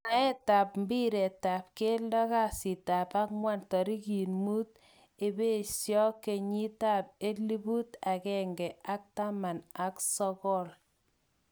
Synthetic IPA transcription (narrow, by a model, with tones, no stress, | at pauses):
na˨e˦ta˨p̚m˦bi˦ɾe˨ta˨p̚ke˦ldɔ˦ka˦si˨ta˨pa˦k̚mwa˦ntɔ˨ɾi˦ki˨nmu˦t̚ | e˨be˦sjɔ˦ke˨ɲi˦ta˦p̚e˦li˦bu˦ta˨kɛ˨ŋɡɛ˨a˦k̚ta˦ma˨na˨ksɔ˦kɔ˦˨l